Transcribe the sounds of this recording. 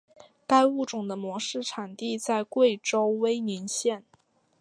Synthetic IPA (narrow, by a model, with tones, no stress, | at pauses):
ka˥ɪu˥˩ʈ͡ʂʊ˨˩ŋd̪ə˦mwɔ˧˥ʂɻ̩˥˩ʈ͡ʂʰa˨˩nt̪i˥˧t͡sa˥˧ɪkwe˥˩ɪʈ͡ʂo˥ʊwe˥ɪni˧˥nɕjɛ˥˩n